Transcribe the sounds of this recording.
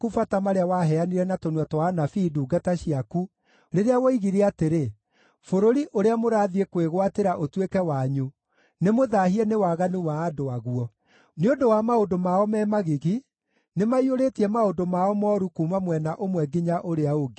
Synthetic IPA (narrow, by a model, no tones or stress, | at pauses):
kufatamaɾeawaɦɛaniɾɛnatonwatɔanafiːduːɡataɕiaku | ɾeɾeawɔiɣiɾeateɾe | foɾoɾiʔoɾeamoɾaːðiekweɣwateɾaʔotwekɛwaɲu | nemoðahiɛnewaɣanuwaːdoaɣuɔ | neondowamaondomaɔmɛmaɣiɣi | nemaioɾetiɛmaodomaɔmɔɾukumamwɛnaʔomwɛɡiɲaʔoɾeaoɡi